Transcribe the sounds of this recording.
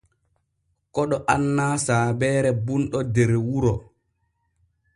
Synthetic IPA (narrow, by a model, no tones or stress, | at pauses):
kɔɗɔʔanːaːsaːbɛːɾɛbunɗɔdɛɾwuɾɔ